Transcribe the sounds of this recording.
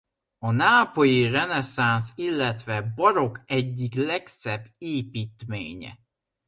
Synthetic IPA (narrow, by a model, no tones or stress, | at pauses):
ɒnaːpo̞jirɛnɛsansilːɛt̪ʋɛbɒɾo̞kɛɟːiklɛksɛbːeːpiːt̪mḛːɲɛ̰